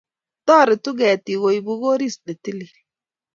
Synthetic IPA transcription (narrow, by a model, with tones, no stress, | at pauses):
tɔː˦˨ɾɪ˨tu˦ɡɛ˨ti˨wo˨jbu˦ɡo˦ɾi˦˨sɗe˨ti˦li˨